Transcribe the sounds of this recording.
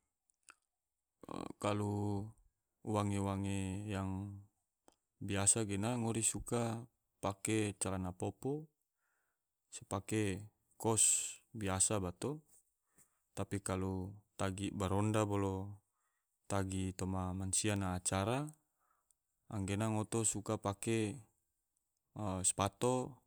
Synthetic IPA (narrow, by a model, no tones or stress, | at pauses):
kalu | waŋewaŋejaŋ | biasaɡɛnaŋɔɾisuka | pakɛt͡ʃalanapɔpɔ | sɛpakɛ | kɔsbiasabat̪ɔ | t̪apikalut̪aɡibaɾɔndabɔlɔ | t̪aɡit̪ɔmamansianaːt͡ʃaɾa | a̰ŋɡɛnaŋɔt̪ɔsukapakɛ | spat̪ɔ